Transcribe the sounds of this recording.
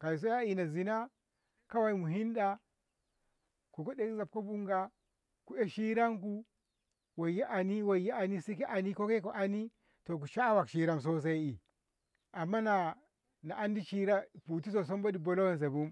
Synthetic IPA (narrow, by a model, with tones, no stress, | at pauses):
ka˨i˨s̬o˦ja˦i˨na˨zi˨na˦ | ka˦wa˨i˦mu˨ɦi˦nɗa˦ | ku˨ko˦ɗe˦kza˨p̚ko˦bu˦ŋɡa˦ | ku˨e˦ʃi˦ɾa˦ŋku˦ | wo˨ja˦ʔa˨ni˦wo˨ja˦a˨ni˦si˦ki˦ʔa˨ni˦ko˦ke˦ko˨ʔa˦ni˦ | to˨k̬u˨ʃa˦wa˨kʃi˦ɾa˦ms̬o˦s̬a˦i˦i˨ | a˨mːa˦na˨ | na˨ʔa˦ndi˦t͡ʃi˦ɾa˦˨pu˨ti˦s̬o˨s̬o˦mbo˦di˨bo˨lo˦we˦ns̬e˨bu˦m